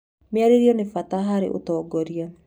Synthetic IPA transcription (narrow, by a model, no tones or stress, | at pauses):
mjaɾeɾjɔnefataɦaɾḛʔo̰tɔːɡɔɾia